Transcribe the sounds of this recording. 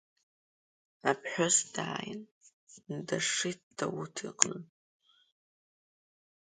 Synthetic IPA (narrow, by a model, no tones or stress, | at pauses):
apʰħʷosd̥a̰ːjɪ̰n | nɨdɐʂit̚d̥ɐwutʰiqʼnɨ